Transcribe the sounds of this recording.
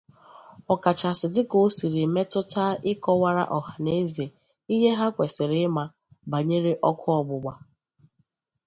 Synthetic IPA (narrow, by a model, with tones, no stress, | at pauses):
ɔ˨ka˨t͡ʃa˨sɪ˨dɪ˦ko˨˦si˨ɾi˨me˦tʊ˦ta˦ʔɪ˦kɔ˦wa˦ɾa̰˦ʔɔ˨ha˨ne˦zi˨e˨ | i˦ɦe˦ɦa˦kʷe˨sɪ˨ɾɪ˦ma˦ | ba˨ɲe˦ɾe˦ʔɔ˦kʰʊ˦ɔ˨ɡ͡bʊ˨ɡ͡ba˨